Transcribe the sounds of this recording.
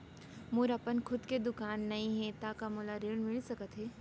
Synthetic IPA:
mʊɾɐpənkʰʊd̪ked̪ʊkaːnːɐɦĩɦɛ̃t̪akamʊlaɾeːɽmɪlsɐkət̪ɦɛː

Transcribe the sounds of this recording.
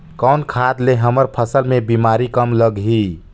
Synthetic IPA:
kəwnkʰad̪leɦəməɾpʰəsəlmebimaɾikəmləɡɦi

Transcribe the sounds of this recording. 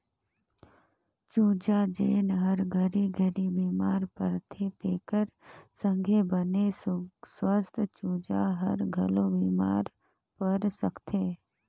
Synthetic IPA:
t͡ʃuːd͡ʒad͡ʒeːnɦəɾɡʱəɾiɡʱəɾibiːmaːɾpəɾt̪ʰet̪eːkəɾsə̃ŋɡʱebənesswəst̪ʰt͡ʃuːd͡ʒaɦə̰ɾɡʱəloʋiːmaːɾ | pəɾsəkt̪ʰeː

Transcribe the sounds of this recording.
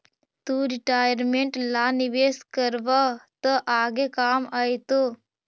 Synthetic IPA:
t̪uɾiʈaːjəɾmẽɳʈlaːniʋeːskəɾʋat̪əʔaːɡekaːmaːjt̪o

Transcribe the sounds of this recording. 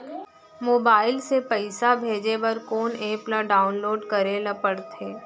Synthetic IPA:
moːbaːɪlsepəɪsabʱeːd͡ʒebɐɾkoːneːplaɖaːʊnloːɖkɐɾelɐpəɽt̪ʰeː

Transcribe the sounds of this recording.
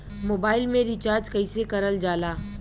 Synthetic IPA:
moːbaːɪlmẽɾit͡ʃaːɾd͡ʒkɐisekɐɾəld͡ʒaːlaː

